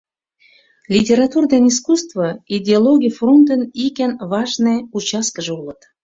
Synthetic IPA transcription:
lʲitʲeɾat̪urd̪eniskust̪vəidʲeolˠoɡʲijfront̪ənikʲænvɑʒneut͡ɕɑskəʒulət̪

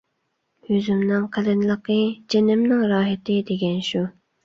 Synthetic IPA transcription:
hyzymnɪŋqʰælɪnlˠəqʰəd͡ʒenɪmnɪŋɾɑːɦɪt̪ʰɪd̪eɡʲɛnʃu

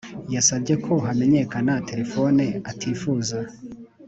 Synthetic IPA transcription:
jasab̚ɟe̞kʰo̞ɦame̞ɲe̞kanate̞ɾe̞fo̞neatʰiːfuːza

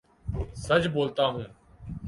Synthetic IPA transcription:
səd͡ʒʱboːlt̪aːɦũː

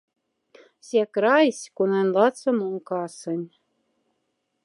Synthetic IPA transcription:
sʲekɾɑjsʲkunenʲlɑt͡sɤ̆moŋkɑsɤ̆nʲ

